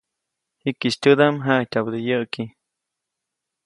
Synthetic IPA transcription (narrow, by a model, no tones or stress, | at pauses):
hikiʃtʲəd̪amɦatʲabd̪əjəʔki